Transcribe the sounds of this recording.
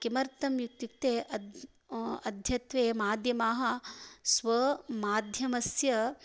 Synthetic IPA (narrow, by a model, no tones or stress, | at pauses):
kimɐɾt̪ɐmjukt̪juk̚t̪eːʔɐ | ɐd̪ʱjɐt̪ʋeːmaːd̪ʱjɐmaːɦɐ̆sʋɐmaːd̪ʱjɐmɐsjɐ